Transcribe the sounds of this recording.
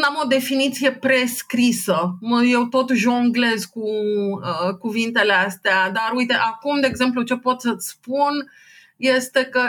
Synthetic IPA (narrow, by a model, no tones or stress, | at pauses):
amo̞d̪e̞finit̪sije̞pɾe̞skɾisəməje̞wt̪o̞t̪ʒoɨŋɡle̞zkuəkuvint̪e̞least̪ead̪aɾujt̪e̞ʔakumd̪e̞ːɡze̞mplut͡ʃe̞po̞t̪sət̪sʲspun | je̞st̪e̞kə